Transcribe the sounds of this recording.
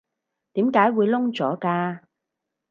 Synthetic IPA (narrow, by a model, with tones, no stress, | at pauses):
t̪iː˨˥mkaː˨˥jwuː˨˧jlʊ˥ŋt͡sɔː˨˥kaː˧